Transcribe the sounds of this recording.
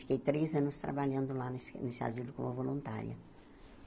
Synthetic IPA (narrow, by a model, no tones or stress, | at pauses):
fi̥kejt̪ɾezɐ̃nʊst̪ɾa̰baʎɐ̃nd̪ʊlanesnesɪa̰zilʊkõmɐvolũnt̪a̰ɾjɐ̰